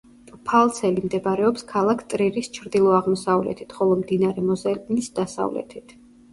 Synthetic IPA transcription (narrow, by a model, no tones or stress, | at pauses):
pʰalˠt̪sʰɛlimd̪ɛbɾɛɔpskʰalˠakʰt̪ʼɾiɾist͡ʃʰɾd̪ilˠɔaʁmɔsavlɛ̰t̪ʰit̪ʰχɔlˠɔmd̪inaɾɛmɔzɛlnisd̪̥asa̰vlɛ̰t̪ʰit̪ʰ